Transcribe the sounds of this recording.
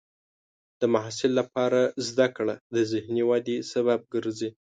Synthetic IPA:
d̪̥əmaɦɑsɪlːapɑɾazd̪akɽad̪əzɪhniwɑd̪isaβab̚ɡəɾzi

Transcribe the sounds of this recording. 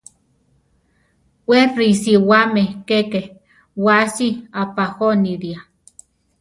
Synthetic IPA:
werisiwamekeke | wasiapahoniɾia

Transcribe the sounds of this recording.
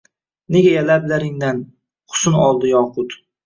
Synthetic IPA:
neɡʲajalablaɾɪŋd̪an | qʰʊ̥sʊnɒlˠd̪ɪjɒːqʰʊt̪

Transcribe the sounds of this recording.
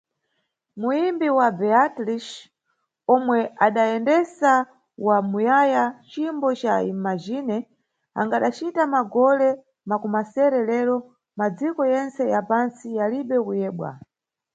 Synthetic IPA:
muimbiwabɛatliʃ | ɔmwɛaɗaɛndɛsa | wamujajat͡ʃimbɔt͡ʃaimad͡ʒinɛ | a̰ŋɡaɗat͡ʃitamaɡɔlɛ | makumasɛɾɛlɛɾɔ | mad͡zikɔjɛnt͡sɛjapansijaliɓɛkujɛːɓwa̰

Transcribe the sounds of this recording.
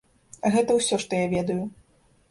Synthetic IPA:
ɐɣɛt̪ɐwsʲɔʂt̪ɔjavʲɛd̪ɐju

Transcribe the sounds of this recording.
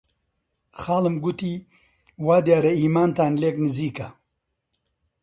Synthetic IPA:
xaːlɐmɡut̪i | waːd̪jaːɾɐiːmaːnt̪aːnlekniziːka

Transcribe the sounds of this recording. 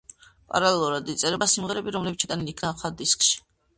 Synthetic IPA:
pʼa̰ɾalɛlˠuɾad̪it̪sʼɛɾɛbasimʁɛɾɛbiɾɔmlɛbit͡ʃʰit̪ʼanilikʰnaχad̪iskʼʃi̥

